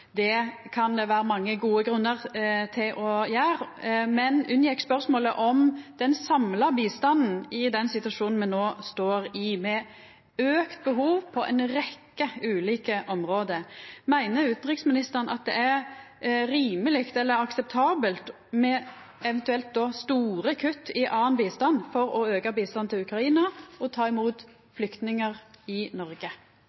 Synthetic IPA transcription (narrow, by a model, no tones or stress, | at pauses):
d̪ɛkʰɑnd̪ɛʋæːɾəmɑŋːəɡuːəɡɾʉnːəʁt̪ʰɪlʔɔjæːɾmɛnʉnjɛkspœʁsmoːləʔɔmd̪̥ɛnsɑmlɑbiːst̪ɑnn̩ɪd̪ɛnsɪt̪ʉʋɑʂuːnn̩mɛnnoːst̪oːɾɪmɛ | øːkt̪̚bəɦuːʋpʰɔʔɛ̰ɪnɾɛkːəʉːliːkəʔɔmɾoːd̪əmæɪnəɾʉːt̪nɾɪksmɪnɪst̪əʁənʔɑ̰t̪̚d̪ɛ̰ʔæʁ | ɾiːməlɪkt̪ɛlːəɾɑksɛp̚t̪ʰɑːbəlt̪ | mɛ | ɛʋɛnt̪ʉɛlt̪̚d̪ɔst̪uːɾəkʰʉt̪ːɪʔɑːənbiːst̪ɑnfɔɾɔøːkəbiːst̪ɑnt̪ʰɪlʉkɾɑiːnɑɔt̪ʰɑːɪmuːt̪ | flʏkt̪nɪŋəʁɪnɔɾɡə